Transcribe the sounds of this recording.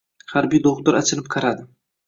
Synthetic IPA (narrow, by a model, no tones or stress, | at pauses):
χaɾbijd̪oʁt̪ʊɾat͡ʃʰɪlɪp̚qʰɑɾad̪ɪ